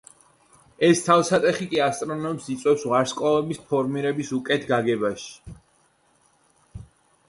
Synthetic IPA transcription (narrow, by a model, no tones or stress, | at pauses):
ɛst̪ʰavsat̪ʼɛχikʼiast̪ʼɾɔnɔɛmsit̪sʼwɛpsʁaɾskʼaɔbispʰɔɾmiɾɛbisukʼɛt̪ʰɡaɡɛbaʃi̥